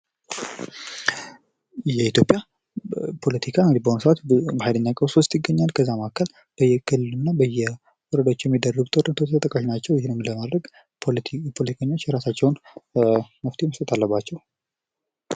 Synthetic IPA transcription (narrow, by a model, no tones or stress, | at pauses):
jɛit̪jo̞pʼja | pʰo̞lət̪ʰikʰaɨŋɡɨd̪ibəhonsəʔat̪bəhajd̪əɲːakʼəwsost̪ʼjɪɡːəɲːalkʰəzːamakʰːəl | b̥əjːɛkʰɨlːɨlɨnːabəjːɛ | wɔɾəd̪aot͡ʃːjɛmːid̪ərːəɡut̪ʰʼəɾɨnət̪ʰot̪t̪ʰt̪ʼəkʼːaʃnat͡ʃːɛwjɪhɪnːɨmləmad̪ɾəɡ̪ | pʰo̞lət̪ʰikʰəɲːot͡ʃːjɛɾasat͡ʃːɛwn | məft̪ʰeməst̪ʼət̪ʰalːəbːat͡ʃːɛw